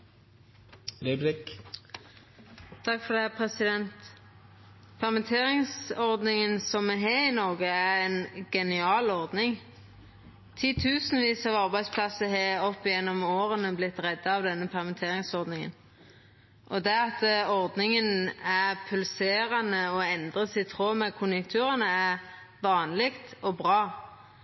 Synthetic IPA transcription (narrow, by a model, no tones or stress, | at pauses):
leblɪk | t̪ʰɑkːfɔʁd̪ɛhɛpʰʁɛsɪd̪ɛnt̪ | pʰæʁmənt̪ʰeːʁɪŋsɔʁd̪nɪŋənsɔmːɛɦeːʁɪnɔʁɡəæʁɛnɡɛnɪɑːlɔʁd̪nɪŋ | t̪ʰiːt̪ʰʉːsnʋiːsɑʋɑʁbæɪd̪spʰlɑsəɦeːɔpːɪjɛnːɔmoːʁənəblɪt̪ːʁɛd̪ːɑɑʋd̪ɛnːəpʰɛʁmənt̪ʰeːʁɪŋsɔʁd̪nɪŋə̰n | ʔɔd̪ɛæɑt̪ɔʁd̪nɪŋənæʁpʰʉlseːɾɑnəɔɛnd̪ʁəsɪt̪ʰʁoːmɛkʰʊnjəkt̪ʰʉːʁənəæʁ | ʋɑːnlɪɡt̪ɔbʁɑː